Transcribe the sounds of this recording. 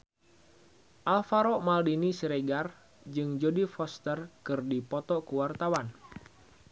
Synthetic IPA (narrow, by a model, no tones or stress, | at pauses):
ʔalfaɾɔʔmaldinisiɾɛɡar | d͡ʒɨŋd͡ʒodifɔst̪ərkɨrdipɔt̪ɔkuwart̪awan